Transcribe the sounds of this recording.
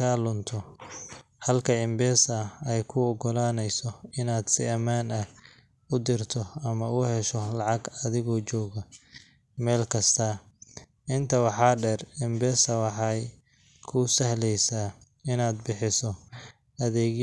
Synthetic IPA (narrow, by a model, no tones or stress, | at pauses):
aːlʊnt̪ʰɔ | hɐlkʰɐɪmbɛːsɐɛjkʰʊɔɡɔlaːnɛjsɔɪnaːd̪sɪɐmaːnɐh | ʊd̪ɪrt̪ʰɔɐmɐʊhɛʃɔlɑʕɑɡɐðɪɣɔːt͡ʃɔːɣɐ | mɛːlkʰɐst̪ʰɐ | ʔɪnt̪ʰɐwɑħɑːɖɛrɪmbɛːsɐwɑħɑj | kʰʊsɐhlɛjsaː | ɪnaːd̪̚bɪħɪsɔ | ɐðɛːɣ